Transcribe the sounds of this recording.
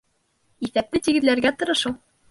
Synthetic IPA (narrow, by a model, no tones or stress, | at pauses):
iθæp̚t̪ɘt̪iɡɘ̆ðlæɾɡæt̪ɤ̆ɾɤ̆ʃulˠ